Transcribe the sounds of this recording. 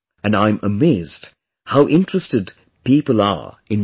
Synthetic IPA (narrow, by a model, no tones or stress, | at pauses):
ɨ̃nãɪ̃məmeɪzd̥ | haʊʔɪ̃ntɹ̥ɨstɨd | pipəl̩ˠə̰˞ | ɨ̃n